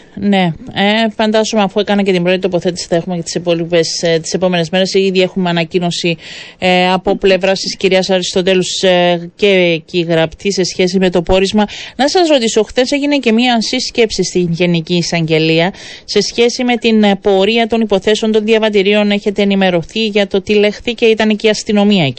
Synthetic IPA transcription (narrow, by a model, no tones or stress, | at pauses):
ne̞efɐnd̪ɐzumeɐfuekɐnɐce̞t̪imbɾo̞t̪it̪o̞po̞θe̞t̪i̥si̥θɐe̞xumecet̪i̥sepolipest̪i̥se̞po̞me̞ne̞zme̞ɾe̞siðie̞xumeɐnɐcino̞si | ɐpo̞ple̞vɾɐst̪isciɾiɐsɐɾist̪o̞t̪̬e̞losce̞ciɣɾɐpt̪ʰise̞sçe̞s̬ime̞t̪o̞po̞ɾizmɐnɐsɐsɾo̞t̪iso̞xθe̞se̞ʝine̞ce̞miɐnsisce̞psist̪inʝe̞niciːsɐɲɟe̞liɐ | se̞sçe̞sime̞t̪inpo̞ɾiɐt̪o̞nipo̞θe̞seo̞nt̪o̞nðjɐvɐt̪̬iɾio̞ne̞çe̞t̪e̞ːnime̞ɾo̞θiʝɐt̪o̞t̪ile̞xθice̞it̪ɐneciɐst̪ino̞miɐei